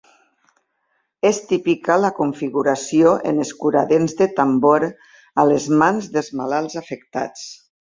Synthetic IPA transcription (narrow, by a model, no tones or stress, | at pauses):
est̪ipikalakuɱfiɣuɾasioʔḛneskuɾa̰ðenzðet̪amboɾ | alezmanzðelˠzmalalˠzafek̚t̪a̰t͡s